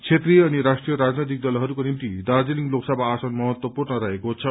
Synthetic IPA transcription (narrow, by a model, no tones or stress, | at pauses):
t͡sʰet̪riʌniɾasʈrijʌɾad͡znʌjt̪̬ik̚d̪ʌlɦʌɾukonimt̪id̪ard͡zeliŋloksʌbaːsʌnmʌɦʌt̪wʌpurnʌɾʌɦekot͡sʰʌ